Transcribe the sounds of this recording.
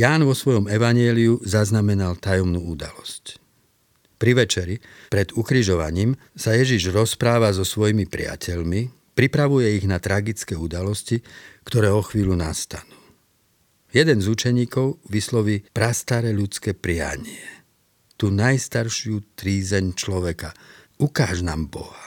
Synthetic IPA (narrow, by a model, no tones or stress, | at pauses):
jaːnʋɔsʋɔjɔmɛʋaɲɪɛːliuzaznamɛnalt̪ajɔmnuːud̪a̰lɔsc | pɾiʋɛt͡ʃɛɾipɾɛd̪ukɾiʒɔʋa̰ɲiːm | sajɛʒiʒɾɔspɾaːʋazɔsʋɔjimipɾɪ̰a̰cʰɛʎmi | pɾipɾaʋujɛiɣnat̪ɾaɡit͡skɛːud̪alɔscikt̪ɔɾɛːɔxʋiːʎunast̪anuː | jɛd̪ɛnzut͡ʃɛɲiːkɔʊʋislɔʋiːpɾast̪aɾɛʎut͡skɛːpɾɪa̰ɲɪɛ | t̪uːnajst̪aɾʃɪut̪ɾiːzɛɲt͡ʃlɔʋɛka | ukaːʒnaːmbɔɦa